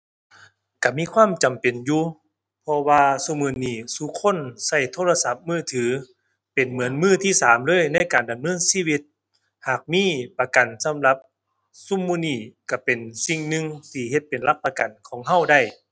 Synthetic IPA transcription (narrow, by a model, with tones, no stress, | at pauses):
ka˧˩miː˧˥˨kʰwaː˧˥˨mt͡ɕa˨˩mpe˨˩njuː˧ | pʰɔ˧waː˧su˧˥˨mːuː˧˨niː˧˩suː˧˦kʰo˧˥˨nsa˧˩jt̪ʰoː˧˥˨la˧sa˧˦p̚mɯː˧˥˩t̪ʰɯː˩˦ | pe˨˩nmɯ˩˦ənmɯː˧˥˩t̪ʰiː˧˥˩saː˨˦mlɤː˧˥˨jna˧˥˨jkaː˨nda˨mnɤː˧˥˨nsiː˧˥˨wi˧˥t̪̚ | haː˨˩k̚miː˧˥˨pa˧ka˨˩nsa˨˧˦mla˧p̚ | su˧˥˨mːuː˧˥˨niː˧˩ka˧˩pe˨˩nsi˧ŋnɯ˧ŋt̪ʰiː˧˩ɦe˧t̪̚pe˨˩nla˧˥k̚pa˧ka˨˩nkʰɔː˨˦ŋɦa˧˥˩wda˧˩j